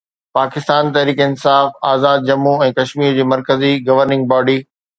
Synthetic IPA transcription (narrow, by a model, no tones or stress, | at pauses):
paːkɪst̪aːnt̪ɐɦɾiːkəɪnsaːfaːzaːd̪̚d͡ʑɐmːuɛ̃ːkɐʃmiːɾd͡ʑeːmɐɾkəziɡɐʋəɾnɪ̃ŋɡ̚baːɖiː